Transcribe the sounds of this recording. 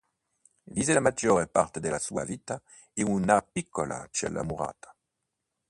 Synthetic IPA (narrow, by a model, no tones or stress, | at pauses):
viːzelamad͡ʒoːɾepart̪ed̪elasua̰viːt̪a | iunapikʰːola̰t͡ʃɛ̰lːa̰muʁa̰ːt̪ḁ